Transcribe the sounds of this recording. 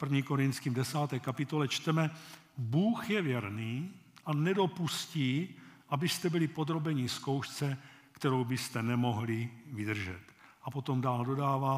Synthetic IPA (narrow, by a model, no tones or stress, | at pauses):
pr̩vɲiːkoɾint̪t͡skiːmdɛsaːt̪ɛːkapɪt̪o̞lɛt͡ʃt̪ɛmɛbuːxjɛvjɛɾniːʔanɛdo̞pusciːʔabɪst̪ɛbɪlipod̪ɾo̞bɛɲisko̞wʃt͡sɛ | kt̪ɛɾo̞wbɪst̪ɛnɛmo̞ɦlivɪd̪r̩ʒɛ̰t̪ʔapo̞t̪o̞mdaːldo̞daːvaː